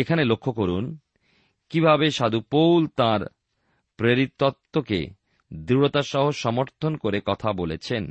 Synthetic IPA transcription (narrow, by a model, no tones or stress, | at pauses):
ekʰanelokʰːokoɾun | kibʱabeʃad̪upowlt̪ãɾ | pɾeɾit̪ːɔt̪ːokḛ | d̪ɾiɽot̪aʃɔɦoʃɔmoɾt̪ʰonkoɾekɔt̪ʰabolet͡ɕʰen